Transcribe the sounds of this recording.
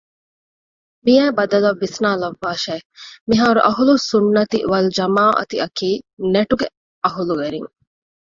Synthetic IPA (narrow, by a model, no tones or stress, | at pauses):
mijɛːbɐd̪ɐlɐʋːisnaːlɐʋːaːʃeːmiɦaːɾuʔɐɦulusunːɐt̪ḭʋɐld͡ʒɐmaːʔɐ̰t̪iɐkiːneʈuɡe | ɐɦuluʋeɾiŋ